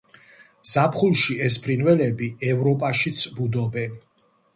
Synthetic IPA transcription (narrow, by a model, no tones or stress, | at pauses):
z̥apʰχulˠʃiɛspʰɾinvɛlɛbiɛvɾɔpʼaʃit̪sʰbud̪ɔbɛn